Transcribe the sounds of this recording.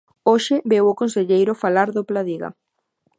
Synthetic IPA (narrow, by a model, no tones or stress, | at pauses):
oʃɪbewokonseʎejɾʊfalaɾðoplaðiɣa̰